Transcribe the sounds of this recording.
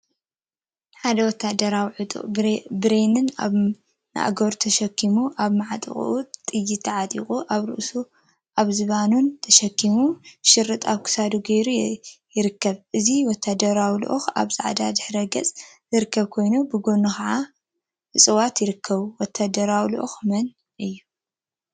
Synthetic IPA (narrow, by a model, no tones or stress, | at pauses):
ħad̪ɐwɔt̪ʰːad̪ɐɾawiʕɨt̪ʼṵʔbɾenɨna̰ | na̰ʔɡoɾt̪ʰɐʃɐkʰːimuʔaβmaʕat̪ʼɨ̰χʼʔut̪ʼɨjːit̪ʰːɐʕat̪ʼḭχʼuʔaβɾɨ̰ʔsu | ʔaβzɨβanunt̪ʰɐʃɐkʰːimuʃɨɾːɨt̪ʼaβkʰɨ̥sad̪uɡɐjɾujɪɾɨkːɐβʔɨziwɔt̪ʰːad̪ɐɾawlṵʔuxa̰βza̰ʕd̪a̰d̪ɨħɾɐɡɐt͡sʼ | zɨɾɨkːɐβkʰo̞jnobɨɡo̞nuxaʕa | ɨsʼɨwat̪jɪɾɨkʰːɐβuwɔt̪ʰːad̪ɐɾawlṵʔṵxmɐn | ʔɨjːu